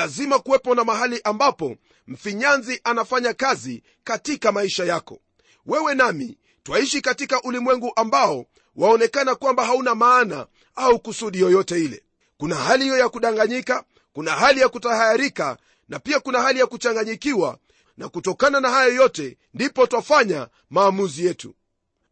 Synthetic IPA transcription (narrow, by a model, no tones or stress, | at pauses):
lazimakuwɛpɔnamaɦaliʔambapɔ | m̩fiɲanziʔanafaɲakazi | katikamaiʃajakɔ | wɛwɛnamḭ | twaiʃikatikaʔulimwɛŋɡuʔambaɔ | waɔnɛkanakwambaɦaunamaːna̰ | aukusuɗijɔjɔtɛilɛ̰ | kunahalihijɔjakuɗaŋɡaɲika | kunahalijakutahajaɾika̰ | napiakunahalijakut͡ʃaŋɡaɲikiwa̰ | nakutɔkananahajɔjɔtɛ | ndipɔtwafaɲa | maːmuzijɛtṵ